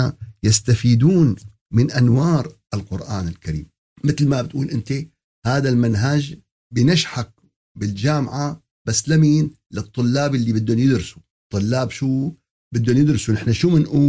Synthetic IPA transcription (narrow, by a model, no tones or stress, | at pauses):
ajast̪afiːd̪uːn | mɪnʔanwɑːɾˤ | ɪlqʊɾʔaːnɪlkaɾḭːm | mɪt̪lmabɪt̪ʔuːlʔɪnt̪e | haːðalmɪnɦad͡ʒ | bɪjnaʃħak̚ | bɪld͡ʒaːmʕa | b̥asːlamiːn | lɨt̪ˤːʊlːaːbɪlːibɪd̪ːʊnjɪd̪ɾɪsu̥ | t̪ˤːʊlːaːbʃuː | bɪd̪ːʊnjɪd̪ɾsunɪħnaʃuːmɪnʔuː